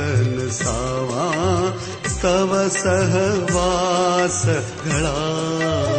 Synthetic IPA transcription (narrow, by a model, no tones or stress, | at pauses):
ɐnɨsaːʋa | st̪ɐʋɐsɐɦʋasɐ | ɡʱɐɭaː